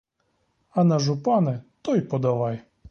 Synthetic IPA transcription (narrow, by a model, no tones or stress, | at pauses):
ɐnɐʒʊpɑnɛt̪ɔjpɔd̪ɐʋɑj